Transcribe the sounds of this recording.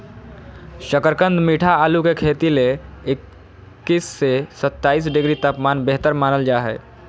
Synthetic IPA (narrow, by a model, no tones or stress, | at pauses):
ʃəkəɾkə̃nd̪miːʈʰaaːlukekʰeːt̪ileɪkː | isːesət̪ːaːiːs̬ɖɪɡɾit̪aːpmaːnbeɦt̪əɾmaːnəld͡ʒaːɦɛ̰ː